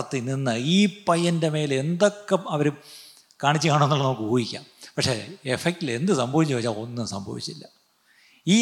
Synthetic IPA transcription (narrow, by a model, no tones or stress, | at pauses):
ɐt̪ːininːɨiːpɐjːɐnde̞me̞ːle̞nd̪o̞kːeɐʋɐɾu | kaːɳit͡ɕːɨkaːɳenːuɭːɐnɐmukːɨbuːɣikʲːa̰ːmpɐkʂe̞̰efek̚ʈile̞nd̪ɨsɐmbʱɐʋit͡ɕːuʋɐt͡ɕːalo̞nːɨsɐ̰mbʱɐ̰ʋḭt͡ɕːtilːɐ | iː